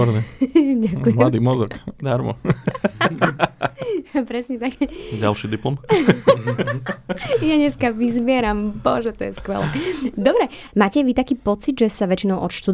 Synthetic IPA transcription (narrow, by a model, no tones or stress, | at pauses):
ɔɾɲɛɟakumlad̪iːmɔzɔkd̪aɾmɔ̰ | pɾɛsɲɛt̪akɟalʃiːd̪iplɔm | jaɲɛskaʋizbɪɛɾampɔ̰ʒɛt̪ɔjɛskʋɛ̰lɛd̪ɔbɾɛ | maːcɛʋit̪akiːpɔt͡sid̪ʒɛsaʋɛt͡ʃinɔʊʔɔt̪ʃt̪ud̪